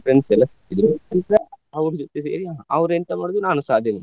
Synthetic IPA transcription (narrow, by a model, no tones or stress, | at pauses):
ɾensɛlːɐsit̪id̪ɾuɐnt̪ɐɾeɐʋɾud͡ʒɔt̪ːes̬eːɾiaːɦɐʋɾent̪ɐmaːɖod̪unaːnusaːd̪ʱjɐʋe